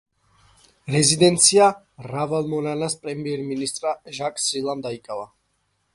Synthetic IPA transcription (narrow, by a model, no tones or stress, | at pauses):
ɾɛzid̪ɛnt̪sʰia | ɾavalˠmɔnanaspʼɾɛmiɛɾminist̪ʼɾaʒakʼsilˠamd̪aikʼava